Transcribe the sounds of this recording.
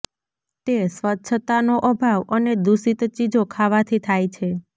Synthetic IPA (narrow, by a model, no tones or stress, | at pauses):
t̪esʋətːʃʰət̪anoʔəbʱaʋəned̪usit̪t͡ʃid͡ʒokʰaʋat̪ʰit̪ʰajt͡ʃʰe